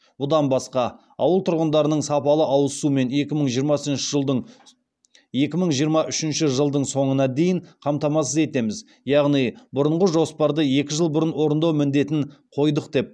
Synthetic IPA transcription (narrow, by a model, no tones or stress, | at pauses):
bʊd̪ɑnbɑsqɑ | ɑ̰wəlˠt̪ʰʊɾʁənd̪ɑɾənəɴsɑpɑlˠəʔɑwəsume̞ne̞kʲɪməɴʒijəɾmɑsənʃɪʒəlˠd̪əɴ | je̞kʲɪməɴʒijəɾmɑʔʏʃɪnʃɪʒəlˠd̪əɴso̞ɴənɑd̪e̞jɪɴqʰɑmt̪ɑmɑsəze̞t̪e̞mɪz | jɑʁnijbʊɾʊɴʁəʒo̞spɑɾd̪əje̞kʲɪʒəlˠbʊɾənwo̞ɾənd̪ɑwmɪnd̪e̞t̪ɪnqʰo̞jd̪əqd̪e̞p̚